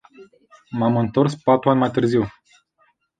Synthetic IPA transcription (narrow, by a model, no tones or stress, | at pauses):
mamɨnt̪orspat̪ɾuanʲmajt̪ɨrziw